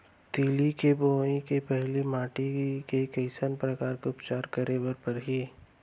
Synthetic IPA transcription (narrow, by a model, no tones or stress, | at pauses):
t̪iːlikeboːĩkepɛɦlimãːʈikekɐɪsənpɾəkaːɾkeʊpt͡ʃaːɾkəɾebəɾpɐɾɦi